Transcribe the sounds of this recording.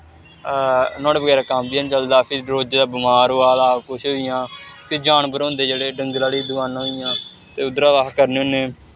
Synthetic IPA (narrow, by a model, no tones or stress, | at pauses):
nɔ̃ːɽeːʋəɡɛːɾaːkãːmbijaːnt͡ʃəld̪aːpʰɪɾɾoːd͡ʒd̪aːbɪmaːɾɦoːaːd̪aːkʊʃɦoːɪjãːpʰɪɾd͡ʒaːnbəɾõːnd̪eːd͡ʒeːɽeːɖəŋɡlaːɽiːd̪ʊaːnːɦoːɪjãː | t̪eːʊd̪ɾaːʋaːkkəɾneːoːneː